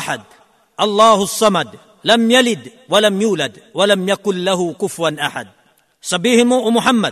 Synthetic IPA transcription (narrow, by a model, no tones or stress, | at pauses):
ħad̪̚ | ʔɑlˤːɑːhʊsˤːɑmad̪ | lamjalɪd̪ | walamjuːlad̪ | walamjakʊnlaɦʊkʊfɾanʔaħa̰d̪̚ | sˤɑbiːhmuːʔmʊħamːad̪